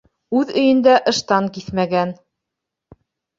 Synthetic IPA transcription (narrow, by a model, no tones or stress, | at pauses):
ʉðɵ̆jɘ̆nd̪æʔɤ̆ʃt̪ɑŋkiθmæɡæn